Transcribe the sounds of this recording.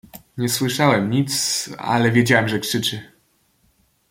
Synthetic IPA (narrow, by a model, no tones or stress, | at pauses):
ɲɛswɘʂawɛmɲit̪sa̰lɛvʲjed͡ʑawɛmʐɛkʂɘt͡ʂɘ